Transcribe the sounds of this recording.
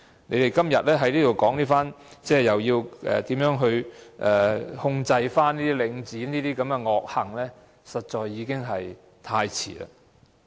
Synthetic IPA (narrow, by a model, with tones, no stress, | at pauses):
ne˨˧jt̪e˨jkɐ˥mjɐ̰˨t̚lɛː˥ɦɐ˨˥jniː˥t̪o˨˩wkɔː˨˥ŋniː˥faː˥n | t͡sɛː˥˩jɐ˨wjiː˧wʔɛ̰˨t̪iː˨˥mjœː˨˥ŋɦɵ˧ɥʔɛː˨hʊ˧ŋt͡sɐ˧jfaː˥niː˥t̪iː˥lɪ˨˧ŋt͡siː˨˥niː˥t̪iː˥kɐ˨˧mɡɛ˧ŋɔː˨˧k̚hɐ˨˩ŋlɛː˥ | sɐ˨t̚t͡ʃɔː˧jːiː˨˧kɪ˥ŋɦɐ˨j | t̪ʰaː˧jt͡sʰḭː˨˩la̰ː˧